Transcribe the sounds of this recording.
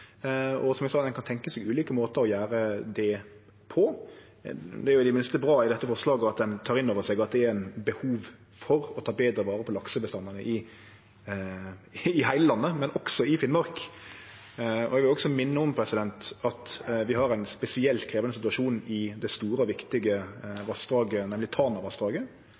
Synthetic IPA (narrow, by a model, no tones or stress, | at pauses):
ɔ̰sɔmɛɡsɑːt̪d̪ɛnkʰɑnt̪ʰɛŋkəsɛɡʉːliːkəmoːt̪əɾɔjæːɾəd̪ɛ | pʰɔ | d̪ɛæɾjʊd̪ɪmɪnst̪əbɾɑːɪd̪ɛt̪ːəfɔɾslɑːɡəɑt̪̚d̪ɛnt̪ʰɑːɾɪnːoːʋəsɛɡɑt̪̚d̪ɛæɾæɪnbəhuːʋ | fɔɾɔt̪ʰɑːbeːd̪ɾəʋɑːɾəpʰɔlɑksəbəst̪ɑnːənəʔɪ | ɪhæɪləlɑnːəmɛnɔksɔɪfɪnmɑɾk | ɔ̰ɛɡʋɪlɔksɔmɪnːəɔmpʰɾɛsɪd̪ɛnt̪ɑt̪ʋɪɦɑɾæɪnspɛsɪɛlt̪kʰɾeːʋɑnəsɪt̪ʉɑʂuːnn̩ɪd̪ɛst̪uːɾəɔʋɪkt̪ɪɡəʋɑst̪ɾɑːɡənɛmlɪt̪ʰɑːnɑʋɑst̪ɾɑːɡə